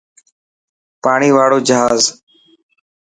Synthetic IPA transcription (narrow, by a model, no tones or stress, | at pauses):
paːɳiːʋaːɽoːd͡ʒəɦaːz